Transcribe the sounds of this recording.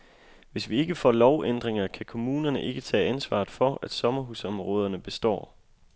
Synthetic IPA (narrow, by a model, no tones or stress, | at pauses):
ʋe̝sʋie̝ɡ̥əfɒ̰ːlɒʊʔend̥ʁeŋɐkʰækʰo̝muːnɐnəʔe̝ɡ̥ət͡sʰɛ̰ːænsʋɑ̰̈ːð̩ˠfɒ̽æd̥sɒ̽mɐɦusɒ̽mʁɔ̽ːð̞ˠɐnəb̥e̝sd̥ɒ̰ː